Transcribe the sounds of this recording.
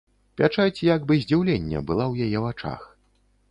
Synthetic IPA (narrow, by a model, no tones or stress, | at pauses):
pʲat͡ʂat͡sʲjaɡbɨzʲd͡zʲiwlʲɛnʲːɛ̰bɨlˠawjajɛvat͡ʂa̰x